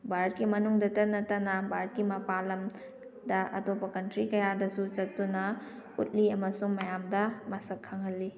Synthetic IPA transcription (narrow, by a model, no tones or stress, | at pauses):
bʱaɾɐt̚kimɐnuŋdɐtɐnɐtɐnɐbʱaɾɐt̚kimɐpalɐm | dɐʔɐ̰topːɐkɐntɾikɐjadɐsut͡ʃɐt̚tunɐ | ṵt̚liɐmɐsuŋmɐjamdɐmɐsɐkʰːaŋɦɐlːi